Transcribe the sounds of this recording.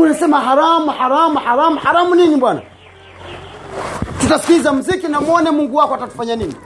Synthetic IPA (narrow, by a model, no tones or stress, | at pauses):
unisɛmaɦaɾamuhaɾamuhaɾamuhaɾamuniniɓwana̰ | tutasi̥kizam̩zikinamuɔnɛmuŋɡuwakɔatatu̥faɲanini